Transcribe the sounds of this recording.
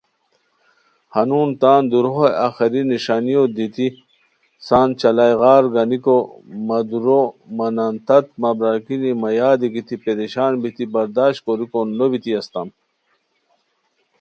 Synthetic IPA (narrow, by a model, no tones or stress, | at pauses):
hɐnuːnt̪aːnd̪uɾɦoja̰ːxɐɾiniʂaːnijod̪it̪i | saːnt͡ɕɐlajɣaːɾɡɐnikomɐd̪uɾomɐnant̪ɐt̪̚mɐbɾaːkinimɐjaːd̪iɡit̪ipeɾeɕaːnbit̪ibɐɾd̪aːɕkoɾikonlobit̪iɐst̪ɐm